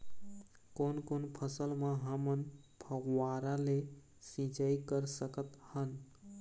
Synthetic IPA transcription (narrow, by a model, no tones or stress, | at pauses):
konkonpʰəsəlmaɦəmən | pʰəɡwaɾale | sĩd͡ʒaikəɾsəkət̪hən